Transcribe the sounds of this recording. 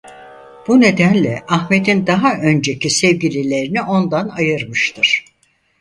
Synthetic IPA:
b̥une̞d̪ænlʲɛʔaxme̞d̪ind̪aɦaʔø̞nd͡ʒe̞cʰisɛvɟilʲilʲe̞ɾiniʔo̞nd̪anajɯɾmɯʃt̪ʰɯɾ̥

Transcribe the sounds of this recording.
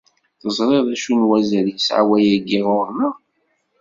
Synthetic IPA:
θəzˤɾˤeðˤæʃunwæzəɾjəsʕa̰wæjæɡːiʁʊɾnə

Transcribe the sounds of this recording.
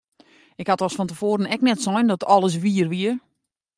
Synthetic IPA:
ɪkhatɔsfɔntəfoːɾənɛknɛtsɔjndɔtʰɔlˠəs̬ʋiərʋiər

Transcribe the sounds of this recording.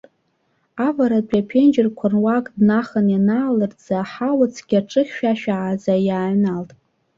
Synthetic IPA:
avaɾapʲʼapʰend͡ʒɪrkʷʰanwakʼdnaχənjanaːlɨrd͡zaːħawat͡sʰɡ̥ʲaʈ͡ʂʼɨχʲʃᶣaʃᶣaʕːzajaːʕnaltʼ

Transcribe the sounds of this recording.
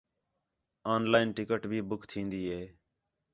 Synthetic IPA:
aːnlaːɪnʈɪkəʈbʱiːbʊkʰt̪ʰĩːnd̪iːɦeː

